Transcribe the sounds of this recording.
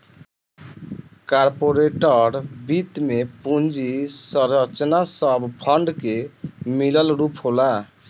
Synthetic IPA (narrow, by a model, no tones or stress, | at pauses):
kaɾpoɾeʈəɾbit̪mepund͡ʒisəɾət͡ʃnasəbpʰəɳɖkemiləlɾupɦola